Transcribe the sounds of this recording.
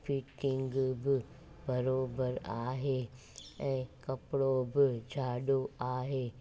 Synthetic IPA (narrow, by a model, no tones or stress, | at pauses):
pʰɪʈɪ̃ŋɡbɪ | bɐɾoːbəɾaːɦeː | ɛ̃ːkɐpɽobɪd͡ʒʱaːɗoaːɦeː